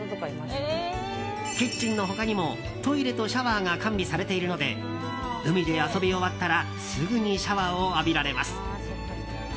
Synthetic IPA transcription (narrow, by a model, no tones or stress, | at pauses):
ke̞t͡ɕĩnːo̞ɦo̞kaɲ̟imo̞ | t̪o̞iɾe̞t̪o̞ɕaβaːŋakãmbʲisaɾe̞t̪e̞iɾɯ̟no̞d̪e̞̰ | ɯ̟mʲid̪e̞aso̞bʲio̞βat̪ːaɾa | sɨɡɯ̟ɲ̟iɕaβaːoabʲiɾaɾe̞masɨ̥